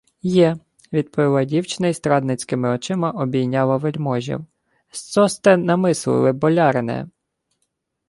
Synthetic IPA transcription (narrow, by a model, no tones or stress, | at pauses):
jɛ | ʋʲid̪̚pɔʋʲilˠɑdʲiwt͡ʃɪnɐjst̪ɾɑd̪nɪt͡sʲkɪmɪɔt͡ʃɪmɐʔɔbʲijnʲːɑlˠɐʋelʲmɔʒʲḭw | st̪sɔst̪ɛnɐmɪslˠɪ̰lˠɪbɔlʲɑɾenɛ̰